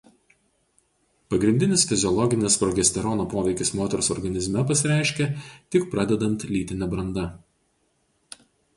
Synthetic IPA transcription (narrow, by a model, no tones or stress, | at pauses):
pɐɡɾʲɪnʲd̪ʲɪnʲɪsfʲɪzʲɪɔlˠɔɡʲɪnʲɪspɾɔɡʲɛsʲt̪ʲɛɾɔnoːpoːʋʲɛɪkʲɪsmoːt̪ʲɛɾosɔɾɡɐnʲɪzʲmʲɛpɐsʲɪɾʲæˑɪʃʲkʲɛt̪ʲɪkpɾɑd̪ʲɛd̪ɐnt̪lʲiːt̪ʲɪnʲɛbɾɐnd̪ɐ